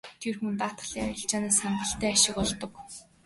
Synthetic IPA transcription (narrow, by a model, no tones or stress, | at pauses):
t̪ʰerxmɵ̆nt̪aːt̪̆ɮiːa̰jɞ̆ɬt͡ɕaːnaːsaɴɢə̆ɬt̪æːaʃɪ̆kɔɮt̪ɞ̆k